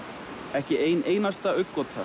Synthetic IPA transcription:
ɛhcɪʔeːjneːjnast̪aœɥkːɔt̪ʰa

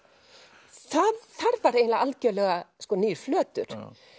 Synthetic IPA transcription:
θaðθaɾvaɾeːjnlaɣalcœːlɛɣaskɔniːɾ̥flœːt̪ʏ̰ɾ̥

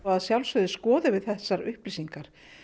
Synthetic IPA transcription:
aaðsjawlsœðɪskɔːðɪvɪðθɛsːaɾʏhplisiŋkaɾ̥

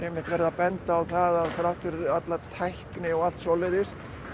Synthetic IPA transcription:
ɾɛmːɪht̪vɛɾɪðapɛnt̪aːwθaðaðθaɾawt̪ʏɾat̪lat̪ʰajhknɪɔɣal̥t̪sɔlɛðɪst̪

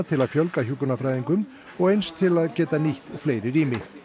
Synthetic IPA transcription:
t̪ʰɪlaðfjœlkaçukʏnafɾaːjðiŋkʏm | ɔɣejnst̪ʰɪlaðcɛːt̪aniht̪fleːjɾɪriːmɪ

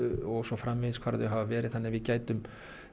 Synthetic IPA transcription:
ɔɣsɔfɾamvɛðskʰv̥aːɾðʏɦaːvavɛːɾɪðθanːɪvɪðcaːjt̪ʏm

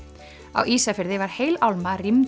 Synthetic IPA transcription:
a̰wʔiːsafɪɾðɪvaɾ̥heːjlawlmarim

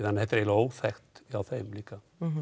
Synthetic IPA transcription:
ðanhɛt̪ɾɛlowfɛxt̪awfemliːka

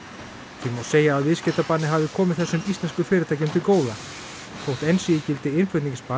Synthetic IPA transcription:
c̪ʰimːoseːjaːðvɪðscɛt̪apanːɪɦavðɪkʰɔːmɪðθɛsːʏmist̪lɛnskʏfɪːɾɪt̪ʰajcʏmt̪ɪkoːwða | fowht̪ɛnsiɪcɪlt̪ɪɪnfʏt̪nĩŋcspa

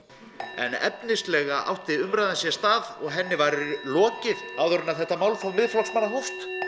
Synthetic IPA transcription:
ɛ̰nɛ̰pnɪst̪lɛɣaʔa̰wht̪ɪʏmɾajðansjɛst̪aːðɔɣɦɛnːɪvaɾɪlɔːcɪðaːwðʏɾʏnaðθɛht̪amawlfawmɪðflɔksmanːaɦowft̪

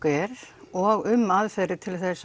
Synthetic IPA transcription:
ɛɾɔɣʏmːaðfɛɾɪt̪ʰɪlθes

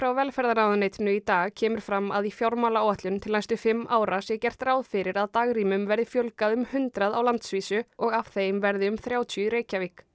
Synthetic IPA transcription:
fɾawvɛlfɛɾðaɾnaːwðʏnejt̪ɪnʏit̪aːɣcʰɛːmʏɾ̥fɾamːa̰ðifjawɾmalawaht̪lʏnt̪ʰɪlnajst̪ʏfɪmːaːwɾasjɛcɛr̥t̪raːwðfɪɾɪɾaðt̪aːɣriːmʏmvɛɾðɪfjœwlkaðʏmhʏnt̪ɾaðawlant̪sviːsʏɔɣav̥θeːjmvɛɾðɪʏmθɾjaːwt̪ʰjʏɾeːjcavɪk

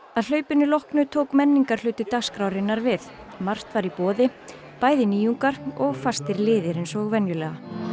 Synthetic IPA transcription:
aðl̥œːɥpɪnːʏlɔhknʏt̪ʰoːwkmɛnːiŋkaɾ̥hlʏːt̪ɪt̪axskɾawɾɪnːaɾvɪθ | mar̥t̪vaɾipɔːðɪ | paːjðɪniːjuŋkaɾɔɣfast̪ɪɾlɪːðɪɾensɔɣvɛnjʏlɛːɣa

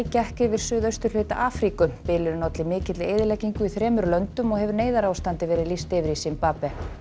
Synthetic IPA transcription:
cɛhkɪvɪɾ̥sʏːðœɥst̪ʏɾ̥l̥ʏːt̪a̰ʔaːfɾikʏpɪlʏɾɪnɔt̪lɪmɪːcɪt̪lɪeːjðɪlɛcːiŋkʏiθɾɛːmʏɾlœnt̪ʏmɔɣhɛvʏɾneːjðaɾaːwst̪ant̪ɪvɛːɾɪðlist̪ɪvɪɾisimpaːpɛ

